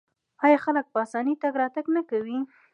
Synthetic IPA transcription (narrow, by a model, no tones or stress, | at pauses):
ɑjɑxalək̚pəasɑnit̪aɡɾɑt̪aɡnakawi